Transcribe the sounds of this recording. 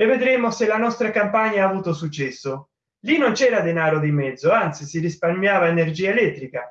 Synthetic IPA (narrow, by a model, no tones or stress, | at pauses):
evːed̪ɾemoselanɔst̪ɾakampaɲːaaːvuːt̪osut͡ʃːɛsːo | linːont͡ʃɛːɾad̪enaːɾod̪imɛd̪zːoant̪sisirisparmjaːvaenerd͡ʒiːaelɛt̪ːɾika